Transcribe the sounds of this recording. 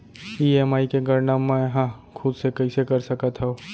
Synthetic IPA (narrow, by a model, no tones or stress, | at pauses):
iːɛːmaːikeɡɐɾnamːɛ̃ɦã | kʰʊd̪sekɐisekɐɾsɐkat̪ɦɛo